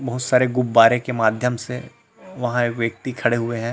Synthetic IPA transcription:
bɐɦʊt̪saːɾeɡʊbːaːɾẽkemaːd̪ʱjəmse | ʋɐɦãeːkʋjɐk̚t̪ikʰɐɽeɦʊeɦɛ̃ː

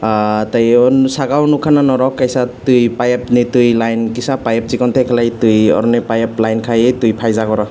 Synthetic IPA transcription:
atajɔnsaɡawnukʰananɔɾɔkːajsatujpajep̚nitɯjlajnkisapajep̚t͡ʃikɔntʰejkʰalajtɯjɔ̰ɾɔnipajeplajnkʰajɯtujpʰajzaɡɔɾɔ

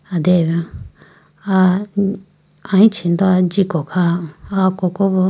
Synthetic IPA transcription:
ad̪eβã | a | ãĩt͡ʃind̪oad͡ʒikokʰaakokoβo

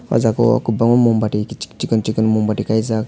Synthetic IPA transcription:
wa̰zakɔa̰kubaŋunmumbaʈikit͡ʃi̥t͡ʃikənt͡ʃikənmumbaʈikajzak

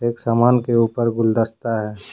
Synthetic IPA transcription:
eːksaːmaːnkeuːpəɾɡʊld̪əst̪aɦɛː

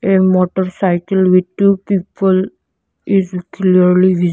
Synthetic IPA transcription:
enmɔʈəɾsajkəlʋidʈːupiːpəl | izkliəɾliʋi

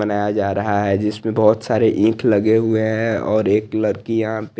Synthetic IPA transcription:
ənaːjad͡ʒaːɾɐɦaɦɛd͡ʒɪsmẽbɔːt̪saːɾeʔĩːkʰlɐɡeɦʊeɦɛ̃ɔːɾeːklɐɾkijɐɦãpe

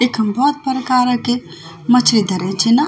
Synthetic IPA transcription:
eːkʰɦəmbʱɔːt̪̚pəɾəkaːɾə̃ke | mət͡ʃʰɾid̪ʱəɾẽt͡ʃʰina

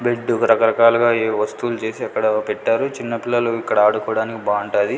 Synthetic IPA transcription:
beɖːukɾɐkɐɾɐkaːluɡaːeːʋɐst̪ulut͡ʃe̞ːsiɐkːɐɽɐpeʈːaːɾut͡ʃinːɐpilːɐluikːɐɽɐaːɽukɔːɽaːnikibaːuɳʈaːd̪i

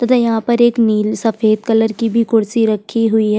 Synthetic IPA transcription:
t̪ɐt̪ʰajɐɦãːpɐɾeːkniːlsɐfeːd̪̚kələɾkibʱikʊɽsiɾɐkʰːiɦʊiɦɛː

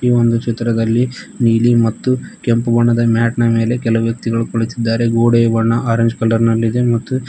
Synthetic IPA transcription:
iːʋo̞nd̪ut͡ʃit̪ːɾɐd̪ɐlːi | niːlimɐt̪ːukempuʋɐɳːɐd̪ɐmaːʈɳɐme̞ːle̞kɛlɐuʋjɐk̚t̪iɡɐɭukoɭit̪id̪ːaːɾe̞ɡoːɽejʋɐɳːɐʔaːɾɐɲd͡ʒkɐlːɐɾnɐlːid̪e̞mɐt̪ːu

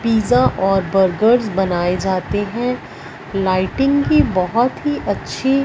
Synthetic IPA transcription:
piːzaʔɔːɾbəɾɡəɾzbɐnaːed͡ʒaːt̪eɦɛ̃ | laːɪʈɪ̃ŋɡkibɐɦɔt̪ɦiʔɐtːʃʰe

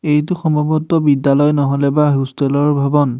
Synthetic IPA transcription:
ejtʊxɔmɔbɔtːɔbidːalɔjnɔɦɔlɛbaɦustelɔɹbʱabɔn

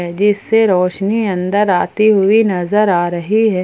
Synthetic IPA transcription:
ɛd͡ʒɪsːeɾɔːʃniɐ̃nd̪əɾaːt̪iɦʊinɐzəɾaːɾɐɦiɦɛː

